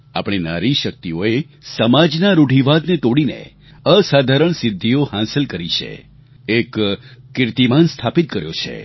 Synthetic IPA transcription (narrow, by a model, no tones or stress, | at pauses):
a̰pɳ̃ina̰ɾiʃək̚t̪ioe | səmad͡ʒnaɾuɖʱiʋad̪net̪oɽinḛ | əsad̪ʱaɾəɳsɪd̪ʱːijohãsɪlkəɾiʃḛ | ekːɪɾt̪imanst̪ʰapit̪̚kəɾjo̰t͡ʃʰḛ